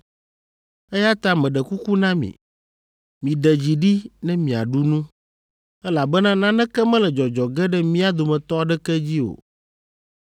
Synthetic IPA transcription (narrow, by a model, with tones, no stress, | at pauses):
ɛ˦ja˦t̪a˦mɛ̃˨ɖɛ˨ku˦ku˦nã˦mḭ̃˨ | mĩ˨ɖɛ˨d͡ʑi˨ɖi˦nɛ̃˦mĩ˨a̰˨ɖu˦nũ˦ | ɛ˦la˨bɛ˦nã˦nã˦nɛ̃˦kɛ˦mɛ̃˦lɛ˨d͡ʒɔ˨d͡ʒɔ˨ɡɛ˦ɖɛ˦mĩ˦a˦d̪o˨mɛ̃˨t̪ɔ˦a˨ɖɛ˦kɛ˦d͡ʑi˦o̰˨